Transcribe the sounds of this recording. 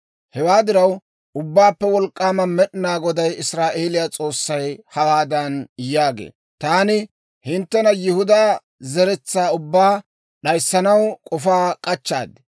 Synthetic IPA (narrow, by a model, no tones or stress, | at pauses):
hɛwaːd̪ɪɾɐw | ʔʊbːaːpːɛwɔlkʼːaːmɐmɛɗɪnaːɡɔd̪ɐjɪsɾaːʔe̞ːlɪjat͡sʼo̞ːsːɐjhɐwaːd̪ɐnjaːɡḛː | t̪aːnɪ | hɪnt̪ːɛnɐjɪhʊd̪aː | zɛɾɛt͡sːaːʊbːaː | ɗɐjsːɐnɐwkʼɔfaːkʼɐt͡ʃːa̰ːd̪ɪ̥